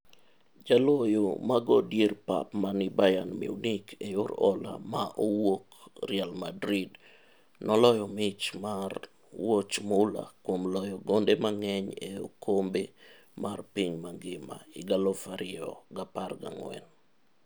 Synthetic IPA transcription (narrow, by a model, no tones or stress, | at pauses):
d͡ʒalɔjomaɡɔdjerpa̰pmanɪbajanmḭunikʰejʊɾɔla̰maʔowokrɪalmadɾid | nɔlɔjɔmɪt͡ʃmar | wot͡ʃmʊla̰kwomlɔjɔɡondemaŋɛɲeo̰kʰombe | marpiɲmaŋɡɪma̰iɡalɔfaɾʔɪɔ̰ɡaparɡa̰ŋwɛ̰n